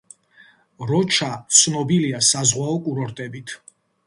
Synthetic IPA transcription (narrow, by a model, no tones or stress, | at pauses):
ɾɔt͡ʃʰat̪sʰnɔbiliasazʁwaɔkʼuɾɔɾt̪ʼɛbit̪ʰ